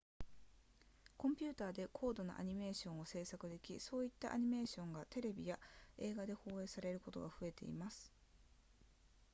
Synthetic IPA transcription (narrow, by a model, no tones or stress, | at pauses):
kõ̞mpʲɨ̟ːt̪aːd̪e̞kʰo̞ːd̪o̞na̰ʔa̰ɲ̟ime̞ːɕõ̞ɰ̃o̞se̞ːsakɯ̟d̪e̞kʲiso̞ːit̪ːaʔaɲ̟ime̞ːɕõ̞ŋɡat̪e̞ɾe̞bʲijae̞ːɡad̪e̞ho̞ːe̞ːsaɾe̞ɾɯ̟ko̞t̪o̞̰ɡaɸɯ̟e̞t̪e̞ḭmasɨ̥